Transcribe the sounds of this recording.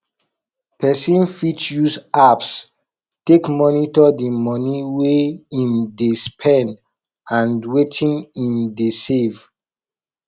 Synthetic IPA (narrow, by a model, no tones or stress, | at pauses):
pʰɛsĩnfitjuzaps | tekmɔnitɔdemɔniweĩmdespʰɛ̃n | ãndwetʰĩnĩmdesev